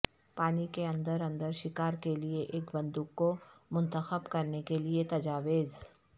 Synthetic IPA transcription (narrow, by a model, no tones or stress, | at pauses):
paːnikeɐ̃nd̪əɾɐ̃nd̪əɾʃɪkaːɾkelieʔeːkbɐ̃nd̪uːkːomʊ̃nt̪əxəbkɐɾnekeliet̪ɐd͡ʒaːʋeːz